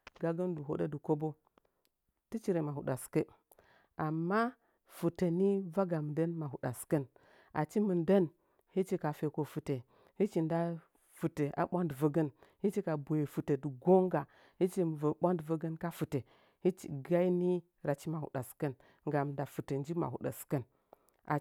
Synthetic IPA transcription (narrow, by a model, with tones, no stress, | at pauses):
ɡa˨ɡə˦ndu˨ɦo̰˦ɗə˦du˨ko˦bo˦ | ti˦t͡ʃi˦ɾe˨ma˨hu˨ɗa˨skə˦ | a˨mːa˦ | fu˨tə˨ni˦va˦ɡa˨m˨də˦nma˨ɦu˨ɗa˨skə˦n | a̰˨t͡ʃi˦mə˨ndə˦n | hi˦t͡ʃi˦ka˨fe˨ko˨fu˨te˨ | hi˦t͡ʃi˨nda˦ | fu˨te˨a̰˨ɓʷa˦ndvə˦ɡə˦nhi˦t͡ʃi˦ka˨bo˨je˨fu˨tə˨du˨ɡo˦ŋɡa˨ | hi˦t͡ʃi˦m˨və˨ɓʷa˦ndvə˦ɡə˦nka˦fu˨te˨ | hi˦t͡ʃi˨ɡa˦i˦ni˦ | ɾa˨t͡ʃi˦ma˨hṵ˨ɗa˨skə˦n | ŋɡa˨m˨nda˨fu˨tə˨n˦d͡ʒi˦ma̰˨hṵ˨ɗa̰˨skə˦n | ʔa̰˨